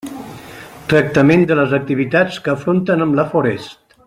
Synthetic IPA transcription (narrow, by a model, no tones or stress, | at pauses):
t̪ɾək̚t̪əmend̪ələzək̚t̪iβit̪at͡skəːfɾont̪ənəmləfoɾɛst̪